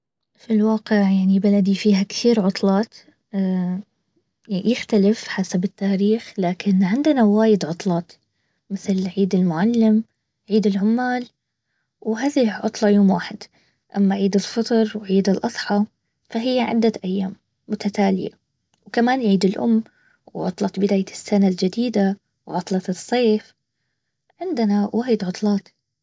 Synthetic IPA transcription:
filwaːqɪʕjaʕnibalad̪ifiːhaktiːɾʕʊt̪ˤlɑːt̪ | jɪxt̪alɪfħasabɪt̪ːaːɾiːxlaːkɪnʕɪnd̪ɪnawaːjɪd̪ʕʊt̪ˤlɑːt̪ | mɪθlʕiːd̪ɪlmʊʕalːɪm | ʕiːd̪ɪlʕʊmːaːl | wɦaːðiʕʊt̪ˤlɑjoːmwaːħɪd̪̥ | ʔamːaʕiːd̪ɪlfɨt̪ˤɾˤwʕiːd̪ɪlʔɑsˤħɑ | faɦɪjːaʕɪ̰d̪ːaʔajːaːmː | ʊt̪at̪aːlɪja̰ | wkamaːnʕiːd̪ɪlʔʊ̰mː | wʕʊ̰t̪ˤlɑt̪bɪd̪aːjasːanald͡ʒɪd̪iːd̪a | wʕʊt̪ˤlɑt̪ɨsˤːeːf | ʕɪnd̪ɪnawʔaːjɪd̪ʕʊt̪ˤlɑːt̪

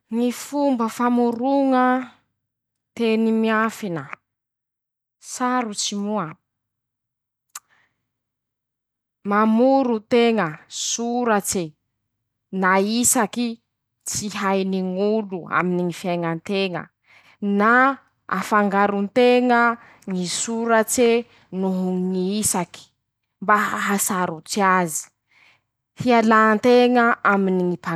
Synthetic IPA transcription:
ŋifumbəfamuɾuŋə | t̪enimiafinə | saɾut͡simua | mamuɾut̪eŋəsuɾat͡se | naisaki | t͡siɦajniŋulua̰miniŋifiajŋant̪eŋə̰ | na | a̰faŋɡaɾunt̪eŋə | ŋisuɾat͡se | nuɦuŋiisaki̥ | mbaɦasaɾut͡siazi̥ | fialaːnt̪eŋəʔaminiŋipa

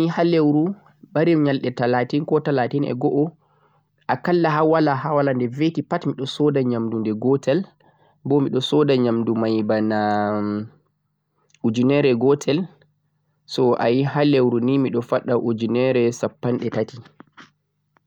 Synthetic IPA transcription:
ihalewɾu | ɓaɾimɲalɗɛtalatinkɔtalatinɛ̰ɡɔʔɔ | ʔakalːaɦawalahawalandɛvetipatmiɗɔsɔdaɲamdundɛɡɔtʰɛl | bɔmiɗɔsɔdaɲamdumajbana | ud͡ʒunɛɾɛɡɔtʰɛl | sɔʔa̰jiɦalewɾunimiɗɔfaɗaʔud͡ʒunɛɾɛsapːanɗɛtati

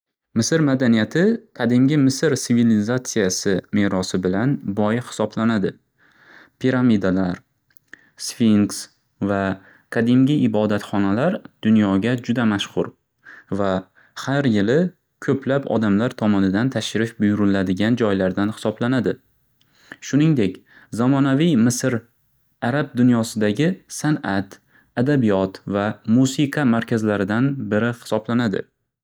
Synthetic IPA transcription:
mɪsɪɾmad̪anijat̪ʰɪkʰad̪imɡʲɪmɪsɪɾsɪvilizat̪sijasɪme̞ɾɒsɪbɪlanbɒjhɪ̥sɒblanad̪ɪ | pʰiɾamid̪alaɾ | sfiŋks | va | kʰad̪imɡʲɪɪbɒd̪at̪χɒnalaɾd̪̥ʊnjɒɡʲad͡ʒʊd̪amaʃχʊɾ | va | haɾjɪlɪ | kʲʰɵplapɒ̰d̪amlaɾt̪ʰɒmɒnɪd̪ant̪ʰaʃɾɪfbʊjʊɾɪlad̪ɪɡʲand͡ʒɒjlaɾd̪anhɪ̥sɒblanad̪ɪ | ʃʊnɪŋd̪e̞kʲ | zamɒnavijmɪsɪɾ | aɾab̚d̪ʊnjɒsɪd̪aɡʲɪsanat̪ | ad̪abijɒt̪vamusiqʰɑmaɾkʲʰazlaɾɪd̪anbɪɾɪhɪ̥sɒblanad̪ɪ̰

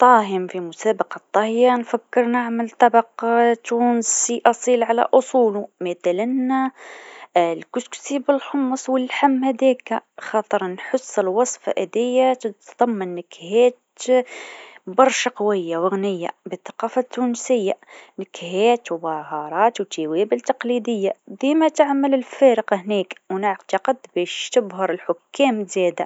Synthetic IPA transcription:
t̪ˤːɑːɦɪmfimʊsæːbɑqɑt̪ˤːɑhjanfakːəɾnaʕmalt̪ˤːɑbɑqt̪ːuːnsiʔɑsˤiːlʕala̰ʔʊsˤuːlumɪt̪ælana | lkʊsksibɪlħʊmːɑsˤwɪlħamːhæd̪ɛːkxɑt̪ˤɨɾˤnħʊsːɪlwɑsˤfɑ̰ʔɪd̪ɪjːat̪ət̪ðˤɑmːɑnːɪkhæːt̪ | bɑɾˤʃaqɑwɪjːawɪɣnɪjːa̰bəθɑ̥qɑːfat̪ːuːnsɪjːanɪkhæːt̪wbɑhɑɾˤɑːt̪wt̪iweːbɪlt̪ɑqlid̪ɪjːab̪imæt̪aʕməlɪlfeɾɪqhniːkwnaʕt̪ɑqəd̪bɛʃt̪əbɦɑɾˤəlħʊkːæːmzɛd̪a

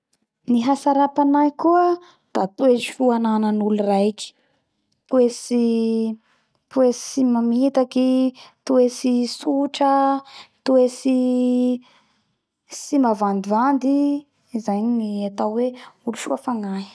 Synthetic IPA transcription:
niɦasaɾapanajkuə | d̪̥at̪uezifuananənulurajki̥ | t̪uesi | p̪uesimamit̪akit̪uesisuʈ͡ʂət̪uesi | simavand̪ivand̪i | zajɲiniat̪awweuluʃuafaŋaɦ

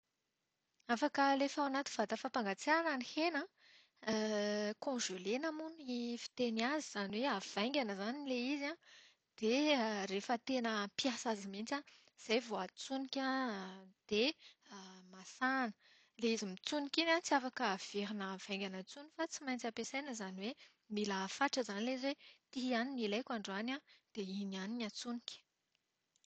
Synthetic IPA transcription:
afakəlefaanat̪i̥v̥ad̪afapaŋɡat͡saananihenə | kɔ̃ʒelenamunifi̥t̪eniaziz̥anweav̥aj̃ŋɡʲanəzanileizã | d̪̥erefət̪enəpjasazimint͡sã | z̥ajvoat͡sunikʲã | d̪̥e | masanə | leizimit͡sunikinant͡siafakəv̥eɾinəv̥ajŋɡʲanət͡sunifat͡simajnt͡sapesajnəzaniwe | miləfaʈ͡ʂəzanileizwet̪iɦianinilajkʲaɳɖ͡ʐanad̪̥einianinat͡suni̥kʲ

